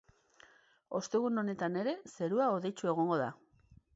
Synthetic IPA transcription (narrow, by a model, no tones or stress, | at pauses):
o̞st̪e̞ɣ̞uno̞ne̞t̪ane̞ɾe̞se̞ɾuaoðe̞jt͡sue̞ɣ̞o̞ŋɡo̞ða̰